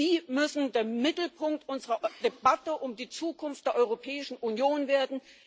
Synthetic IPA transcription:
iːmʏsn̩deːɐmɪtl̩pʰʊŋk̚tʔʊnzəʁɐd̥ebatəʔʊmdiːt͡suːkʰʊnft̚d̥eːɐʔɔʏʁopʰɛːɪʃn̩ʔunjoːnveːɐdn̩

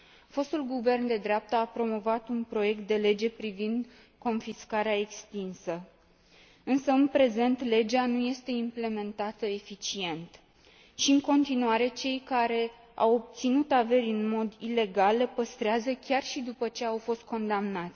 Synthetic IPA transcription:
fo̞st̪ulɡuve̞rnd̪e̞d̪ɾeap̚t̪əapɾo̞mo̞vat̪unpɾo̞je̞k̚t̪̚d̪e̞le̞d͡ʒe̞pɾivind̪ | ko̞nfiskaɾeae̞kst̪insə | ɨnsəɨnpɾe̞ze̞nt̪le̞d͡ʒanuje̞st̪e̞imple̞me̞nt̪at̪əe̞fit͡ʃie̞nt̪ | ʃiɨŋko̞nt̪inuaɾe̞t͡ʃe̞jkaɾe̞ | a̰wob̚t̪sinut̪ave̞ɾʲɨnmo̞d̪ile̞ɡalːepəst̪ɾeazəkʲarʃid̪upət͡ʃe̞awfo̞st̪̚ko̞nd̪amnat̪sʲ

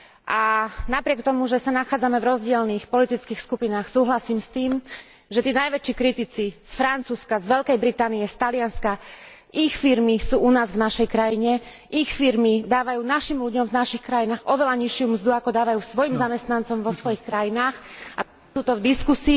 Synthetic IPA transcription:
ʔanapɾɪɛk̚t̪ɔmuʒɛsanaxaːd͡zamɛvɾɔzɟɪɛlniːxpɔlit̪it͡skiːxskupinaːxsuːɦlasiːmst̪iːm | ʒɛt̪iːnajʋɛt͡ʃiːkɾit̪it͡sisfɾant͡suːskazʋɛʎkɛjbɾit̪aːnijɛst̪alɪanska | ʔixfiɾmisuːunaːzvnaʃɛjkɾajiɲɛ | ʔixfiɾmid̪aːʋajuːnaʃimluɟɔmvnaʃixkɾajinaːɣɔʋɛlaɲiʃɪumzd̪uakɔd̪aːʋajuːsʋɔjimzamɛst̪nant͡sɔmʋɔsʋɔjixkɾajinaːxa | t̪uːt̪ɔvd̪iskusiː

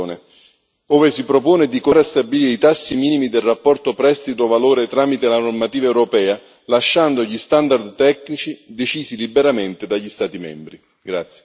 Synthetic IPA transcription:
ne | oːvesipɾopoːnɪd̪ikoɾeast̪abiliːɾeit̪asːimiːnimid̪elrapːɔrt̪opɾɛst̪it̪ovaloːɾet̪ɾaːmit̪elanormat̪iːvaɛwɾopɛːa | laʃːand̪oʎist̪and̪ard̪t̪ɛknit͡ʃid̪et͡ʃiːzilibeɾament̪ed̪aʎːist̪aːt̪imɛ̰mbɾi | ɡɾat̪sje̥

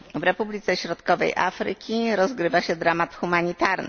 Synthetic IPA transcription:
vɾɛpublʲit̪sɛɕɾɔt̪kɔvɛ̰jʔa̰fɾɘ̰kʲiɾɔzɡɾɘvaɕɛd̪ɾamat̪xumaɲit̪aɾnɘ̰

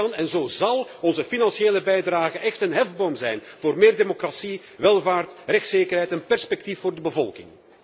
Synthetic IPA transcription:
ɑnɛnzoːzɑlˠɔnzəfinɑnseːləbɛjdraːɣəʔɛxtənɦɛvbomzɛjnvoːrmeːrdemokrasi | ʋɛlˠvaːrtrɛxtseːkərɦɛjtɛnpɛrspɛk̚tifoːrdəbəvɔlˠkɪ̰ŋ

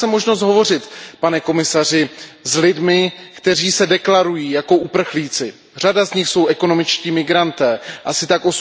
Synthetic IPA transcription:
sɛmo̞ʒno̞s̬t̪ɦo̞vo̞rɪt̪panɛko̞mɪsar̝ɪzlɪdmɪkt̪ɛr̝iːsɛdɛklaɾujiːjako̞ʔupr̩xliːt͡sɪ | r̝adazɲɪxso̞wʔɛko̞no̞mɪt͡ʃciːmɪɡɾant̪ɛːʔasɪt̪akʔo̞s

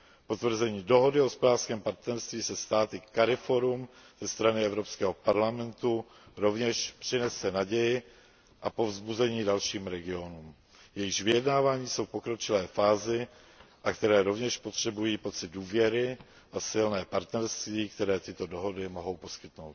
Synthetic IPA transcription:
po̞t̪vr̩zɛɲiːdo̞ɦo̞dɪoɦospodaːrskɛːmpaɾt̪nɛɾst̪viːsɛst̪aːt̪ɪkaɾɪfo̞ɾumz̥ɛst̪ɾanɪɛvɾopskɛːɦopaɾlamɛnt̪u | ɾo̞vɲɛʃpr̥ɪnɛsɛnaɟɛjɪ | ʔapo̞vzbuzɛɲiːdalʃiːmɾɛɡɪo̞nuːm | jɛjɪʃvɪjɛdnaːvaːɲiːso̞wpo̞kɾo̞t͡ʃɪlɛːfaːzɪ | ʔakt̪ɛɾɛːɾo̞vɲɛʃpo̞t̪r̝̥ɛbujiːpo̞t̪t͡sɪd̪̚duːvjɛɾɪ | ʔasɪlnɛːpaɾt̪nɛɾst̪viːkt̪ɛɾɛːt̪ɪt̪o̞doɦo̞dɪmo̞ɦo̞wpo̞skɪt̪no̞wt̪

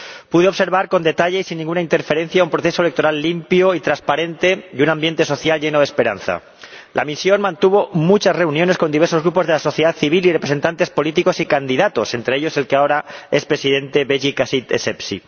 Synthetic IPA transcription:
puðeo̞βse̞ɾβaɾko̞nd̪e̞t̪aʎeisinːĩŋɡunaint̪eɾfe̞ɾe̞n̟θjaumpɾoθe̞soele̞k̚t̪oɾalːimpjoit̪ɾaspaɾe̞nt̪e̞dunãmbje̞nt̪e̞so̞θjalʝe̞no̞ðespe̞ɾa̰nθa̰ | lʔa̰misjo̞nmãnt̪uβ̞o̞mut͡ʃazre̞unjone̞sko̞nd̪iβe̞ɾso̞zɣɾupo̞zðe̞laso̞θjeðaðθiβilirepɾese̞nt̪ant̪e̞spo̞lit̪iko̞sikand̪iðat̪o̞se̞nt̪ɾeeʎo̞se̞lkeao̞ɾae̞spɾe̞siðe̞nt̪e̞βeʝikasit̪esepsḭ

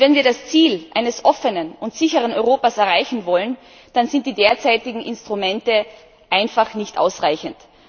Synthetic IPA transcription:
vɛnviːɐdast͡siːlʔa̰ɪnəsʔɔfənənʊntz̥ɪçəʁənɔʏʁoːpasɛɐʁaɪçn̩vɔlən | d̥anzɪnt̚d̥iːdeːɐt͡saɪtɪɡŋ̩ʔɪnstʁ̥umɛntə | ʔaɪnfaχnɪçtʔa̰ʊsʁaɪçənt

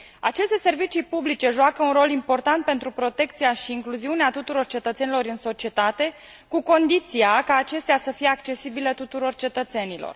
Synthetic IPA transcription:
at͡ʃe̞st̪e̞se̞rvit͡ʃipublit͡ʃe̞ʒuakəunro̞limpo̞rt̪ant̪̚pe̞nt̪ɾupɾo̞t̪e̞kt̪sijaʃiːŋkluziuneat̪ut̪uɾo̞rt͡ʃe̞t̪ət̪se̞nilo̞ɾɨnso̞t͡ʃie̞t̪at̪e̞ | kuko̞nd̪it̪siakaːt͡ʃe̞st̪easəfije̞akt͡ʃe̞sibile̞t̪ut̪uɾo̞rt͡ʃe̞t̪ət̪se̞nilo̞̰r

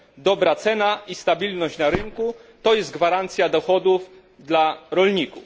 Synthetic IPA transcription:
d̪ɔbɾat̪sɛnaist̪abʲilnɔɕt͡ɕnaɾɘŋkut̪ɔjɛsd̪ɡvaɾant̪sʲjad̪ɔxɔd̪uf | d̪laɾɔlɲikuf

